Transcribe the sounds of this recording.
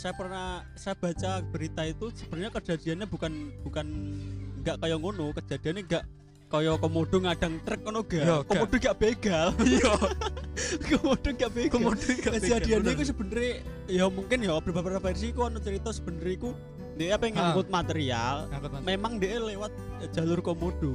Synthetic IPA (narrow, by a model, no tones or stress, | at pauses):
sajapərna | sajab̥a̤t͡ʃab̥əɾit̪ait̪usəb̥ənɲakə̥d͡ʒ̥ad̥̪i̤anɲab̥ṳkanb̥ṳkanŋɡaʔkɔjɔŋonʊkə̥d͡ʒ̥a̤d̪̥i̤aneŋɡaʔ | kɔjɔkɔmoɖ̥ɔ̤ŋaɖ̥aŋt̪ɾək̚ːɔnoɡ̥akɔmod̥oŋɡaʔb̥eɡ̥al | komod̥oŋɡaʔb̥eɡadkəd͡ʒad̥̪ianeikus̬əb̥ənɾi | jamuŋkɪnjɔb̥əpapaɾapɛrs̬iːkuanut͡ʃəɾit̪ɔsəb̥ənəɾiːku | ndeʔeapɛŋaŋbʊt̪̚mat̪eɾia̰lmemaŋnd̪eʔelewat̪̚d̥d͡ʒ̥a̤lʊrkomod̥o